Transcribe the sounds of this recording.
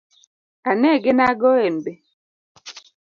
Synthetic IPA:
anɛɡenaɡɔenbe

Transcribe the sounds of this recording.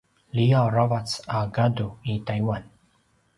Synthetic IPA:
liaɾavatsaɡad̪oit̪ajwan

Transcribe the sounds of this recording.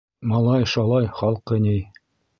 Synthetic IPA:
mɑlˠɑjʃɑlˠɑjχɑlˠqːɤ̆nʲij

